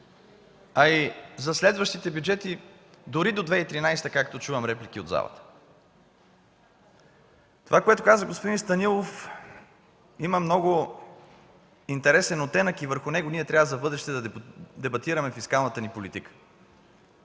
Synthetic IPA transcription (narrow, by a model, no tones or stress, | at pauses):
ɐizɐslɛd̪vəʃt̪it̪ɛbʲjud͡ʒɛt̪id̪ʊɾid̪od̪vɛit̪ɾinajst̪əkakt̪ot͡ʃuvɐmɾɛplik̟iod̪za̰və̰t̪ə̥ | t̪ovakoɛt̪okazəɡospod̪inst̪ɐnilˠof | imɐmnɔɡʊ | int̪ɛɾɛsɛnot̪ːɛnəkivəɾxʊnɛɡoniɛt̪ɾʲavəzɐvbɤd̪ɾɛʃt̪ɛd̪ɐd̪ɛbɐt̪iɾɐmɛfiskalˠnət̪ənipolit̪ikə̥